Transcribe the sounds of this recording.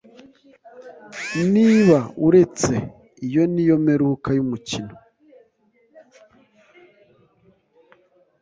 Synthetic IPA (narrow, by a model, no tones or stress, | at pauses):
niβauɾe̞t͡sḛ | ijo̞nijo̞meɾukajumucino